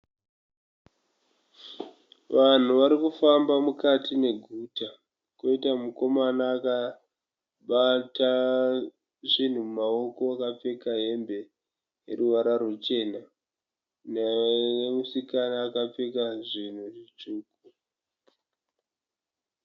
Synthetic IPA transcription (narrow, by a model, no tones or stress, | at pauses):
ʋan̤uʋaɾikufambamukatʰine̞ɡʱuːta | koitamuko̞manaːka | ɓata | ʐin̤umumao̞ko̞akap͡fe̞kaɦe̞mbe̞ | jḛruʋaɾarut͡ʃe̞ːna | neemusikanaːkap͡fe̞kaʐin̤uʐit͡ʃuːku